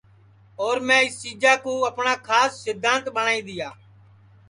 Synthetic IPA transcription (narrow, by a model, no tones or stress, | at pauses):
oːɾmɛ̃ːɪst͡ʃiːd͡ʒaːkũːəpɳaːkʰaːsːɪd̪ʱːaːnt̪ɓəɳaːĩːd̪ɪjaː